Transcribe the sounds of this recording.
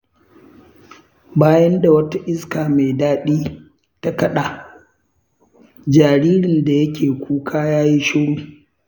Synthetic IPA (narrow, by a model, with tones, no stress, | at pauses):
baː˦jɐ˦nda˨wɐ˦ta˦ʔɪ˦skaː˨me˨jdaː˦ɗiː˦ | ta˦kɐ˦ɗa˨ | d͡ʒaː˨ɽiː˦ɾɪ˨nda˨jɐ˦kʲeː˨kʷʰuː˦kʰaː˦jaː˦ji˦ʃʊ˦ɽuː˦